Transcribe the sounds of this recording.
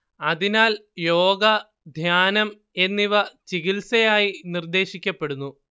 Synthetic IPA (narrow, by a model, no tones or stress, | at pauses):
ɐðinaːljo̞ːɡɐ | d̪ʱjaːnɐm | e̞nːiʋɐt͡ɕiɣilsɐjaːjinird̪e̞ːɕikʲːɐpːe̞ɽunːu